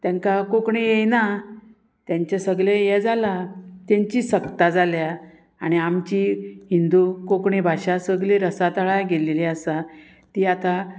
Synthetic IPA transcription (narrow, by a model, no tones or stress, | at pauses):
t̪jãŋkakokɳejejna | t̪jãɲt͡ɕasəɡɭejɛd͡zalat̪jãɲt͡ɕiːsəkt̪ad͡zalja | aɽ̃iamt͡ɕiɦind̪ukokɳebʱaɕasəɡɭeɾəsat̪əɭajɡeleleasa | t̪iːat̪a